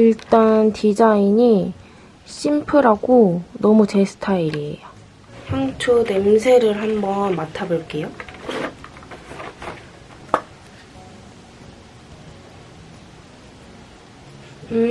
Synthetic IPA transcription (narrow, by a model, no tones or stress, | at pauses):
iɭt͈antid͡ʑaiɲi | ɕ͈impʰɯɾɦaɡonʌmut͡ɕe̞sʰɯ̥tʰaiɾiḛjo | haŋt͡ɕʰudemsʰe̞ɾɯɭɦambʌnmatʰaboɭk͈e̞jo